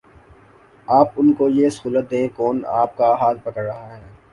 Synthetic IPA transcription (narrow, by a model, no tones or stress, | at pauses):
aːpʊnkojeːsuːlət̪̚d̪ẽːkɔːna̰ːp̚kaɦaːt̪̚pɐkəɽɾɐɦaɦɛː